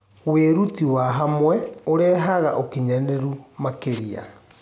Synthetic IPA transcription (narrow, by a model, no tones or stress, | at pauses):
weɾutiwaɦamwɛoɾɛːɦaɣaʔokeɲaneɾumakeɾia̰